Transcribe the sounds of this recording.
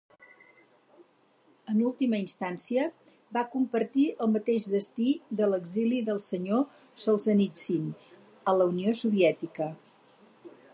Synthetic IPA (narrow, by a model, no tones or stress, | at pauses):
ənulˠt̪iməinst̪ansiə | bakumpəɾt̪iəlˠmət̪eʒdəst̪iðələɡziliðəlˠsəɲo | səlˠzənit͡sin | ələuniosuβiɛt̪ikə